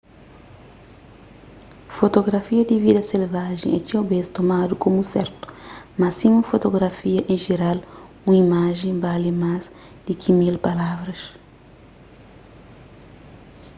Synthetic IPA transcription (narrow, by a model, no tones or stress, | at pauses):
fot̪oɡɾafiɐd̪ivid̪ɐselvaʒḛ̃et͡ʃ̪ĩɐbest̪omad̪ukomusɛɾt̪u̥mɐsĩũfot̪oɡɾafiɐʔẽʒeɾal | ũimaʒẽbalimaz | d̪̥ikʰimilpalavɾɐs